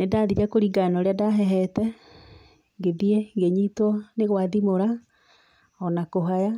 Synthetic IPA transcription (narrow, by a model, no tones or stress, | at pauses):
nedaðiɾakoɾiɡanɔɾeadaɦɛɦɛtɛ | ŋɡeðieŋɡeɲitwɔneɣwaðimoɾa | ɔnakoɦaja